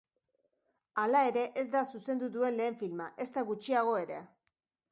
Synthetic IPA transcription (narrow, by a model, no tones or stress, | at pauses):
alae̞ɾe̞ʔe̞zd̪asuse̞nd̪ud̪ue̞nle̞ːɱfilmaʔe̞st̪aɣut͡ʃiaɣ̞o̞e̞ɾe̞